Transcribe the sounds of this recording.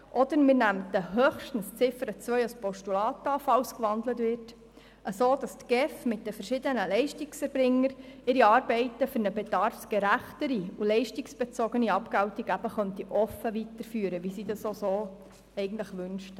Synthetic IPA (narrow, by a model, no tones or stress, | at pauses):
ʔɔd̪əɾmɪɾnæmdəɦøχʃtən̩st͡sɪfəɾət͡sʋœʏɑspɔʃtulɑːtɑfɑwskʋɑndlətvɪrt | ʔəsoːd̥ɑstɡ̥ɛfmɪt̚d̥əfəɾʃɪdənəlɛɪʃtiksɛɾbɾɪŋːəɾɪɾiɑːɾbɛɪtəfʏɾnəbedɑɾfsɡ̥ɛɾæχtəɾiulɛɪʃtiksb̥ɛt͡sɔɡəniɑpkæwtiɡæb̥əχœntiʔɔfəʋitəɾfyːəɾəʋisidɑsosoː | ɛɪɡən̩t̪ləχʋʏnʃt